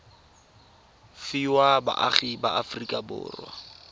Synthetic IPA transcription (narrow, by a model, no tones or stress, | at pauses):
fiwaba̰ʔaχibaafrikʼabʊ̰ːrwa̰